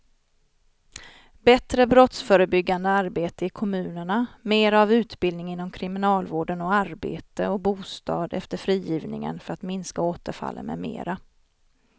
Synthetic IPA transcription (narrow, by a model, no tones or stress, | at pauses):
bɛt̪ɾəbɾɔt̪sfœːɾəbʏɡːand̪əaɾbeːt̪əɪkʰɔmʉ̟ːnəɳameːɾavʉ̟ːt̪bɪld̪nɪŋɪnːɔmkʰɾɪmɪnɑːlvoːɖənɔaɾbḛːt̪əɔbuːst̪ɑ̰ːd̪ɛ̰ft̪əɾfɾiːjiːvnɪ̰ŋə̰nfœɾat̪mɪnskaoːt̪əɾfa̰lːə̰nmɛ̰mḛːɾa